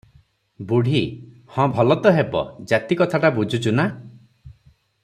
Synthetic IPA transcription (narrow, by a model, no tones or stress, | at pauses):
buɽ̤i | hɔ̃bʱɔlɔt̪ɔɦebɔ̰d͡ʒat̪ikɔt̪ʰaʈabud͡ʒʱut͡ʃuna